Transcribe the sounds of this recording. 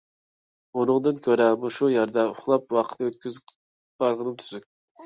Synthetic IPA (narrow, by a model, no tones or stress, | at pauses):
unɨŋd̪ɨnkʲʰøɾɛmuʃujæɾd̪ɛʊχlˠɑpwɑqʰə̥t̪t̪ɨøt̪̚kʲyz | b̥ɑɾʁənɨmt̪ʰyzykʲ